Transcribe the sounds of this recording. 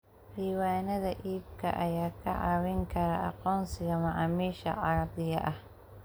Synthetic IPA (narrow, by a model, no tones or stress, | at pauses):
diːwaːnɐðɐʔiːb̚kʰɐ̰ʔɐjaːkʰɐʕɑ̰wɪŋkʰɐɾɐʔɑ̰qɔːnsɪɣɐmɑʕɑːmiːʃɐ̰ʕɑɾɐd̪ɪjɐ̰ʔɐh